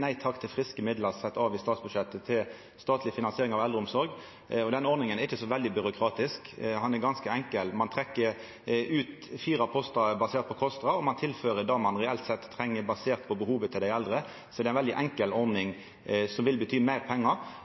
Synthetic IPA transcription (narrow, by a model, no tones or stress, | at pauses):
næɪt̪ʰɑkt̪ʰɪlfɾɪskəmɪd̪ləʁsɛt̪ːɑːʋɪst̪ɑːt̪sbʉʂɛt̪ːət̪ʰɪl | st̪ɑːt̪lɪəfɪnɑnsɪeːɾɪŋɑʋɛld̪ɾəʊmsɔɾɡ | ɔd̪ɛnɔɾnɪŋənæɾɪçːəsɔʋɛld̪ɪbʏɾʊkʰɾɑːt̪ɪskhɑnɛɾɡɑnskəɛŋkəlmɑnt̪ʰʁɛkːəɾ | ʉːt̪ | fiːɾɑpʰɔst̪ɑbɑseːʁt̪̚pʰɔkʰɔst̪ʁɑɔmɑnt̪ʰɪlføːɾəd̪ɑmɑnɾɛɛlt̪sɛt̪ʰːɾɛŋːəbɑseːʁt̪pʰɔbəhuːʋət̪ʰɪld̪æɪɛld̪ɾə | sɔd̪ɛæɪnʋɛld̪ɪʔɛŋkəlɔɾnɪŋ | sɔmʋɪlbət̪ʰyːmæɪɾpʰɛŋːə